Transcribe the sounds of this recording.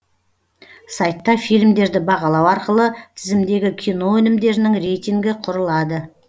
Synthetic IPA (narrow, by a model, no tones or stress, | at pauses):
sɑjt̪ːɑfijlmd̪e̞ɾd̪ɪbɑʁɑlˠɑwɑɾqəlˠət̪ʰɪzɪmd̪e̞ɡʲɪkʲʰijno̞wɵnɪmd̪e̞ɾɪnɪŋɾe̞jt̪iŋɡʲɪqʰʊɾəlˠɑd̪ə